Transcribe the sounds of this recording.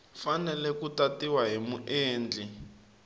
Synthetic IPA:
fanɛlɛkutatiwaɦimuʔeːnd͡ɮʱi

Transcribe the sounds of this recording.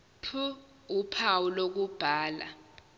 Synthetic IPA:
pʰu | upʰawulok̬ub̥ʱaːla̰

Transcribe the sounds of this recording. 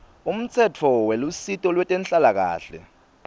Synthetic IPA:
um̩t͡sʰɛt͡fʰɔwelusitʼɔlwɛtʼɛnt͡ɬʼalak̬a̰ːɬɛ̰

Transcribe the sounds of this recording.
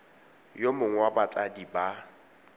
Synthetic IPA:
jomʊŋ̩wabat͡sʼadiba

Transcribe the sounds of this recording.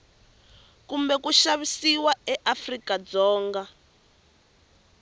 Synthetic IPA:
kumbɛkuʃaβisiwaɛʔafrikad͡zɔːŋɡa

